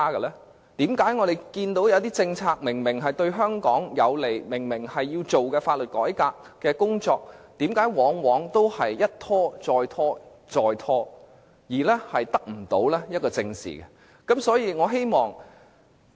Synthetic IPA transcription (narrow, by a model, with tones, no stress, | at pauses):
aː˥kɐ˧lɛː˥ | t̪iː˨˥mkaː˨˥jŋɔː˨˧d̪e˨jkiː˧nt̪o˨˥wjɐ˨˧wt̪iː˥t͡sɪ˧ŋt͡sʰaː˧k̚mɪ˨˩ŋmɪ˨˩ŋɦɐ˨jt̪ɵ˧ɥɦœː˥ŋkɔː˨˥ŋjɐ˨˧wle˨˩jmɪ˨˩ŋmɪ˨˩ŋhɐ˨jːiː˧wt͡ʃo˨wkɛː˧faː˧t̚lɵ˨t̚kɔ̰ː˨˥jkaː˧kːɛː˧kʊ˥ŋt͡sɔː˧k̚t̪iː˨˥mkaː˨˥jwɔː˨˥ŋwɔː˨˧˥ŋt̪o˥whɐ˨jːɐ˥t̚t̪ʰɔː˥t͡sɔː˧jt̪ʰɔː˥ | t͡sɔː˨˧jt̪ʰɔː˥ | jiː˨˩lɛː˥hɐ˨jt̪ɐ˥k̚m̩˨˩t̪o˨˥wlɛː˥jɐ˥t̚kɔː˧t͡sɪ˧ŋsḭ˨˩kɛ˧ | kɐ˨˥msɔː˨˥jiː˧ŋɔː˨˧ɦe˥jmɔː˨ŋ